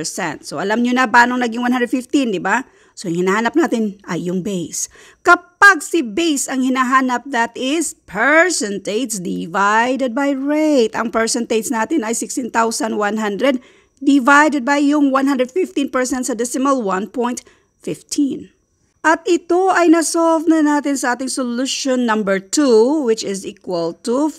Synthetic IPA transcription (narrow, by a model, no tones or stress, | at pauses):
sɛ̰nt̪soʔɐlamɲʊnɐpaːnoŋnɐɡiŋwanand̪ɾɛd̪fɪft̪ind̪ɪba | sojʊŋhɪnaːhaːnɐp̚naːt̪ɪnɐjːʊŋbejs | kɐpaɡ̚sɪbejsɐŋhɪnaɦaːnɐp̚d̪at̪ʔɪspʰɛɹsɛnt̪ejt̪sd̪ɪvajd̪ɛd̪̚bajɹejt̪ɐ̰ŋpɛɹsɛnt̪ejt̪snaːt̪ɪnɐjsɪkst̪ɪnt̪awsɐnwanɦand̪ɾɛd̪̚ | d̪ɪvajd̪ɛd̪̚bɐjːʊŋwanhɐ̃nd̪ɾɛd̪fɪft̪ĩnpɛɹsɛnt̪sɐd̪ɪsɪmɐlwanpɔjnt̪ | fɪft̪ʰin | ʔɐt̪ɪt̪o̞ʔɐjnɐsolvnɐnaːt̪ɪnsɐʔaːt̪ɪŋsʊluʃonːɐmbəɹt̪uwɪt͡ʃɪzikwɐlt̪u